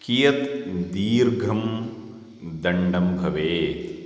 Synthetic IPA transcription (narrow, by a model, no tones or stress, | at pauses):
kijɐt̪d̪iːɾɡʱɐm | d̪ɐɳɖɐmbʱɐʋeː